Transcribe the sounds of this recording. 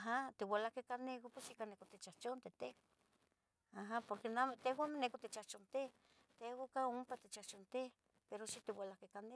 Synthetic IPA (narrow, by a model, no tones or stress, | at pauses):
aɦat̪iwalahkekanekopwesikanekot̪it͡ʃat͡ʃont̪et̪e | aɦapoɾkenamt̪eɦwamenekot̪it͡ʃaht͡ʃont̪e | t̪eokaompat̪it͡ʃaht͡ʃont̪e | peɾoʃit̪iwalahkekane